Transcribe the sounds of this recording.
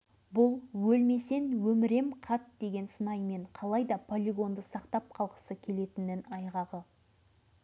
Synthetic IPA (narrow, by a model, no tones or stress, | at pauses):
bʊlˠwɵlme̞se̞nwɵmɪɾe̞mqʰɑt̪d̪̥e̞ɡʲe̞nsənɑjme̞ɴqʰɑlˠɑjd̪ɑpʰolʲiɡo̞nd̪əsɑqt̪ɑp̚qʰɑlˠqə̥səkʲʰe̞le̞t̪ɪnɪnɑjʁɑʁə